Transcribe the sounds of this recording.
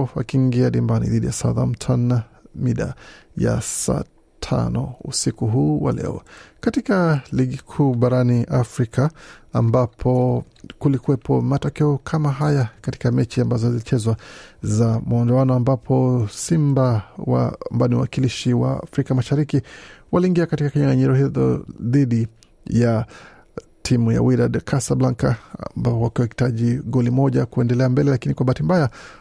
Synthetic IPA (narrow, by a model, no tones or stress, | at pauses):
wa̰kiŋɡiaɗimbanḭðiɗijasaða̰m̩tʰanːa | miɗa̰ja̰sa̰ː | tʰa̰nɔ̰ṵsikuɦuːwa̰lɛ̰ɔ̰katikaliɠikʰuːɓaɾaniʔafɾikaːmbapʰɔ | kulikuɛpʰɔmatɔkɛɔkʰamaɦajakati̥kamɛt͡ʃiambazɔzilit͡ʃɛzwazamuɔndɔanɔambapʰɔsimbawa̰mbaniwwakiliʃiwa̰ːfɾikamaʃaɾikiwaliːŋɡiakatikakiɲaŋɡaɲiɾɔhiðɔ̰ðiɗi | ja | tʰimuja̰wiɾadkʰasablaŋka̰mbapɔwakiwahi̥taʄiɠɔlimɔʄakuɛndɛlɛambɛlɛlakinikwaɓaːtimbaja